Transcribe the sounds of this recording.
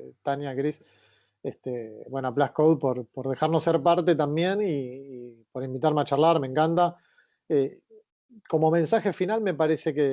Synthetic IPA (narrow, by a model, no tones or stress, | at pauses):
t̪anjakɾis | est̪ebwenoaplahkowðpo̞ɾpo̞ɾðe̞xaɾnoseɾpaɾt̪e̞t̪ambje̞niː | poɾimbit̪aɾmeat͡ʃarlaɾmẽ̞ŋkant̪a | e | ko̞mo̞mẽ̞nsaxe̞finalme̞paɾe̞se̞ke